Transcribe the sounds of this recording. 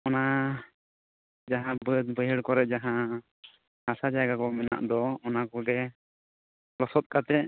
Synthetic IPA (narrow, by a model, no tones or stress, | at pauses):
ɔna | d͡ʒaɦãbəbəjɦəɽkɔɾɛʔ̚d͡ʒaɦã | hasad͡ʒaɡakɔmɛna̰ʔd̪ɔɔnakɔɡɛ | lɔsɔt̪̚kat̪ɛ